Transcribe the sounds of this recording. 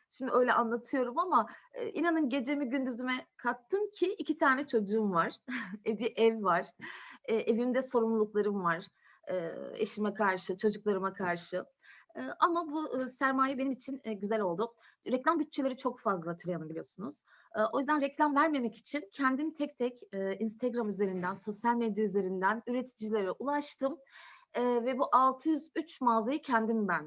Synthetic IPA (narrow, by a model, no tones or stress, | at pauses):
ʃimd̪iø̞jlʲɛʔanlˠat̪ʰɯjo̞ɾumamaɯ̰ːʔinanɯnɟe̞d͡ʒe̞miɟynd̪yzymɛkʰat̪ʰːɯncʰiʔicʰit̪ʰaːnɛt͡ʃʰo̞d͡ʒuːmvaɾ̥ebiʔɛvvaɾ̥ɛːʔevimd̪ɛso̞ɾumlˠulˠuklˠaɾɯmvaɾ̥ | ɯːḛʃimɛkʰaɾʃɯt͡ʃʰo̞d͡ʒuklˠaɾɯmakʰaɾʃɯː | ʔamabusæɾmaːjɛbe̞nimit͡ʃʰinɟyzælʲo̞lˠd̪u | ɾɛclʲambyt̚t͡ʃʰːelʲe̞ɾit͡ʃʰo̞kfazlˠat̪ʰyɾʲejanabilijosunuz̥ | o̞jyzd̪ænɾɛclʲamvæɾme̞mɛci̥t͡ʃʰincʰɛnd̪imt̪ʰɛc̚t̪ʰɛcɛinst̪ʰaɡɾamyze̞ɾind̪ænso̞sjalʲmed̪jayze̞ɾind̪ænyɾe̞t̪ʰid͡ʒilʲeɾɛʔulˠaʃt̪ʰɯmɛːvɛbuʔalˠt̪ʰɯjyzyt͡ʃmazajɯcʰɛnd̪imbæn